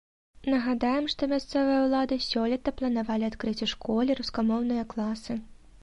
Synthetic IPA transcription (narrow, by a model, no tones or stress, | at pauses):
nɐɣad̪ajɛmʂt̪ɔmʲast̪sɛvɨjɐwlˠad̪ɨsʲɔlʲɛt̪ɐplˠɐnavalʲiat̪kɾɨt͡sʲɛʂkɔlʲiɾuskamɔwnɨjɐklˠasɨ